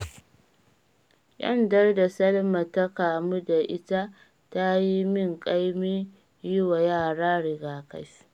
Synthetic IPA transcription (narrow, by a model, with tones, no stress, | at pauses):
jɐ̰˦ndɐ˦rda˨sɐ˦lma˨ta˦kaː˨mu˦da˨ʔɪ˦ta˦ | ta˦ji˦mɪ˦˨ŋkʼa˦jmiː˦ | jʊ˦wa˨jaː˦˨ɽaː˦ɽɪ˨ɡaː˨ka̰˦js